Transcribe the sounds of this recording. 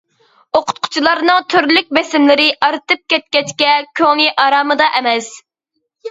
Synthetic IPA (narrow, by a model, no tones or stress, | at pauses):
oqʰʊ̥t̪̚qʰʊ̥t͡ʃʰilˠɑɾnɨŋt̪ʰyɾlyk̚ʲbesɪmlɪɾɪʔɑɾt̪ɨp̚kʲɛt̪̚kʲɛt͡ʃkʲɛkʲʰøŋniʔɑɾɑːmɨd̪ɑʔɛmɛs